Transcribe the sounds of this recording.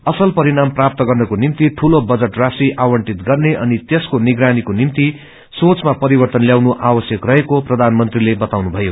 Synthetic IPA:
ʌsʌlpʌɾinamprap̚t̪ʌɡʌrnʌkonimt̪iʈʰulobʌd͡zʌʈrasiʔawʌɳʈit̪ɡʌrneʔʌnit̪eskoniɡɾanikonimt̪i | sot͡smapʌɾibʌrt̪ʌnljawnuʔawʌsjʌkrʌɦekoprʌd̪ʱanmʌnt̪rilebʌt̪awnubʱʌjo

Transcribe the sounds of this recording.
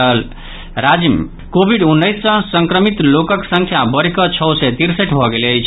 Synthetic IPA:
əl | ɾad͡ʒim | kobʱiɖunːəjsːʌ̃səŋkɾəmit̪lokəksə̃ŋkʰjabəɾikɔt͡ʃʰɔwsɛt̪iɾsəʈbʱɔɡelet͡ʃʰ

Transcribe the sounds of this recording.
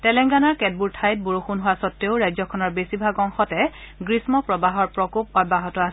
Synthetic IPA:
tɛlɛŋɡanaɹkɛd̚buɹtʰajt̚buɹuxunɦʊwasɔtːeʊɹajzɔkʰɔnɔɹbesibʱaɡɔŋxɔtɛɡɹismɔpɹɔbaɦɔɹpɹɔkop̚ɔd̚baɦɔtɔas

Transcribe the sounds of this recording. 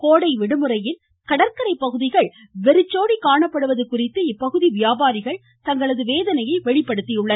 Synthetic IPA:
koːɽɐɪʋɛɽɯmɯɾɐjɪn | kɐɽɐɾkɐɾɐɪpːɐɣɯðɪɣɐɭ | ʋɛɾɯt͡ʃːoːɽikaːɳɐpːɐɽɯʋɐðɯkːʊrɪt̪ːɯɪpːɐɣɯðiʋɪjaːbaːɾɪɣɐɭ | t̪ɐŋɡɐɭɐðɯʋeːðɐnɐjɐɪʋɛɭɪpːɐɽɯt̪ːɪjɯɭːɐ

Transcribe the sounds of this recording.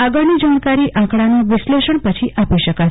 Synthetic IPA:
aɡəɭnid͡ʒankaɾiʔãkɽanũʋɪʃleʃəɳpət͡ʃʰiʔapiʃəka

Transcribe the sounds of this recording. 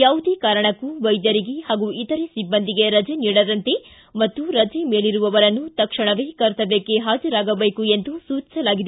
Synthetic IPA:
jaːʋud̪eːkaːɾɐɳɐkːuʋɐjd̪jɐɾiɡihaːɡuit̪ɐɾesibːɐnd̪iɡe̞ɾɐd͡ʒeniːɽɐd̪ɐnt̪e | mɐt̪ːuɾɐd͡ʒemeːɭiɾuʋɐʋɐɾɐnːut̪ɐkʂɐɳɐʋeːkɐɾt̪ɐbekːeɦaːd͡ʒɐɾaːɡɐbeːkuend̪usuːt͡ʃi̥sɐlaːɡid̪e

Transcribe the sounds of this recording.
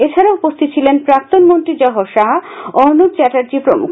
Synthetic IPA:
et͡ɕʰaɾaupost̪ʰit̪ːt͡ɕʰilenpɾak̚t̪onmont̪ɾid͡ʑɔɦoʃaɦɔɦnud̪̚t͡ɕɛʈaɾd͡ʑipɾomṵkʰ

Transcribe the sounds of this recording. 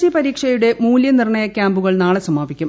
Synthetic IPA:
t͡ɕipɐɾiːkʂɐjuɽe̞muːljɐnirɳɐjɐkʲːaːmbuɣɐɭnaːɭesɐmaːbikʲːum

